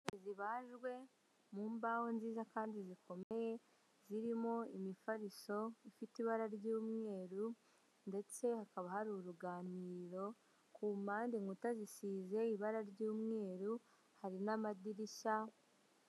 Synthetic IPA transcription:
eziβaːʒɡwe̞ | muːmbaho̞nziːzakaːndizikʰo̞me̞je̞ | ziɾimo̞imifaɾiso̞ifitiβaɾaɾɟuːmŋe̞ːɾu | nde̞t͡se̞hakaβahaɾuɾuɡaːniːɾo̞ | kuːmaːndiŋutazisiːze̞iβaɾaɾɟuːmŋe̞ːɾu | haɾinamadiɾiʃa

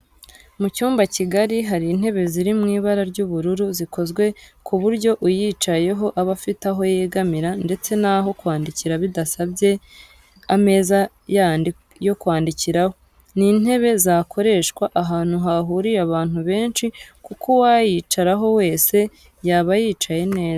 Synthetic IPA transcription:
mucuːmbaciɡaɾiɦaɾiːn̥he̞βe̞ziɾimŋiːβaɾaɾɟuːβuɾuɾuzikʰo̞zɡwe̞kʰuβuɾɟo̞ʔujiːt͡ʃaje̞ɦo̞ʔaβafitaɦo̞jeɡamiɾande̞t͡se̞naɦo̞kwaːndiciɾaβidasabje̞ | ame̞ːza | jandi | jo̞kwaːndiciɾaho̞ | nin̥he̞βe̞zakʰo̞ɾe̞ʃkwaʔaɦaːn̥uɦaɦuɾiɾaβaːn̥uβe̞ːnʃikukʰowajit͡ʃaɾaɦo̞we̞ːse̞ | jaːβajiːt͡ʃaje̞ne̞ːza

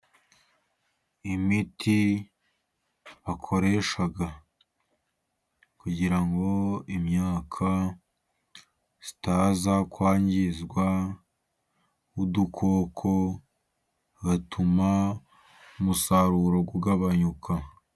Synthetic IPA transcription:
imitʰi | βakʰo̞ɾe̞ʃaɡa | kuɟiɾaŋɡo̞imɲaːkʰa | z̥i̥taːzakwaːɲɟizɡwa | udukʰo̞ːkʰo | ɡatʰuma | umusaɾuɾo̞ɡuɡaβaɲukʰa

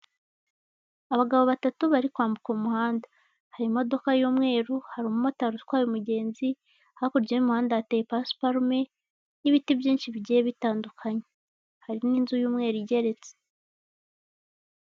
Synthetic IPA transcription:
aβaɡaβo̞βatatuβaɾikwaːmbukumuhaːnda | haɾimo̞do̞kajuːmŋe̞ːɾuhaɾimumo̞taɾuskwajumuɟe̞ːnzi | ahakoɾɟenumuhaːndaatejepaspaɾme̞ | niβitibjiːnʃiβiɟijeβitaːndukʰaɲe | haɾiniːnzujuːmŋe̞ːɾuiɟe̞ɾe̞t͡se̥

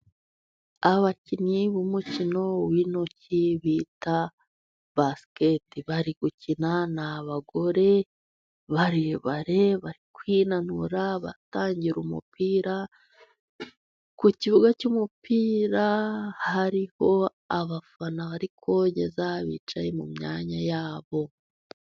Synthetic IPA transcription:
aβaciniβumucino̞winociβiːta | βasketiβaɾiɡ̥ucinanaβaɡo̞ɾe̞ | βaɾiβaɾe̞βaɾikwinanuɾaβa̰taːɲɟiɾumṵpiːɾa | kuciβuɡacuːmupiːɾahaɾiho̞ | aβafanaβaɾikʰo̞ɟe̞̰zaβḭːt͡ʃajemṵmɲaːɲajaːβo̞

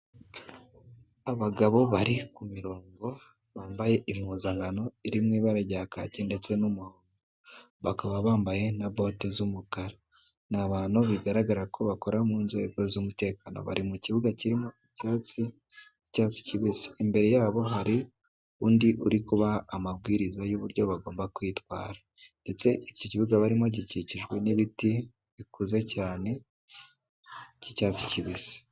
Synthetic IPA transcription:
aβaɡaβo̞βaɾikumiɾoːŋɡo̞ | βaːmbaje̞ʔim̥uzaŋɡano̞iɾimŋiːβaɾaɟaka̰cinde̞t͡se̞numuhoːŋɡo | βakaβaβaːmbaje̞naβoːtezumuɡaɾa | naβaːnuβiɡaɾaɡaɾakʰo̞βako̞ɾamuːnzoeβozomute̞ːkano̰βa̰ɾimuciβuɡaciɾimoicaːt͡si | caːt͡si̥ciβisi̥imbe̞ɾe̞jaːβo̞ɦaɾi | uːndiʔuɾikuβaːmaβɡiːɾizajuβuɾɟo̞βaɡo̞ːmbakwiːtwa̰ːɾa | nde̞t͡se̞ʔicociβuɡaβaɾimo̞ɟiciciʒɡwe̞niβiti | βikuze̞caːne̞ | cicaːt͡si̥ciβisi̥

